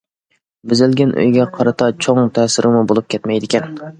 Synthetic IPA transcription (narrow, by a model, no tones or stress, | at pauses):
bɪzɪlɡʲɛnʔø̰jɡʲɛqʰɑɾɨt̪ʰɑt͡ʃʰoŋt̪ʰɛsɪɾʔɪmubolˠup̚kʲʰɛt̪mɛjd̪ɪkʲɛn